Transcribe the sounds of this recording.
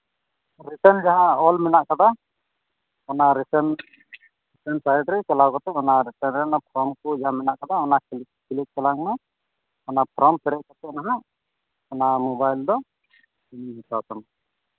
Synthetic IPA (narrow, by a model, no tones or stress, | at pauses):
ɾiʈənd͡ʒaɦãɔlmɛnaʔkad̪a | ɔnaɾisɛn | ɾisənsajʈɾɛt͡ʃɛlawkɔt̪ɛɔnaɾiʈənɾɛnapʰɾɔmkɔd͡ʒaɦamɛnaʔkad̪aɔnakl | kilik̚kɛlaŋmɛ | ɔnapʰɾɔmpɛɾɛʔ̚kɔt̪ɛʔnaɦaʔ | ɔnamɔbajld̪ɔ | imɦitawt̪ɔna